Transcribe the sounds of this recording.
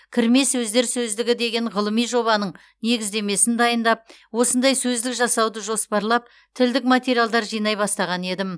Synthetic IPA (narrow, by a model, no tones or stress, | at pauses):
kʲʰɪɾme̞sɵzd̪e̞ɾsɵzd̪ɪɡʲɪd̪e̞ɡʲe̞ɴʁəlˠəmijʒo̞βɑnəɴ | ne̞ɡʲɪzd̪e̞me̞sɪnd̪ɑjənd̪ɑp̚ | wo̞sənd̪ɑjsɵzd̪ɪkʒɑsɑwd̪əʒo̞spɑɾlˠɑp̚ | t̪ʰɪld̪ɪkmat̪ʲe̞ɾijalˠd̪ɑɾʒijnɑjbɑst̪ɑʁɑne̞d̪ɪm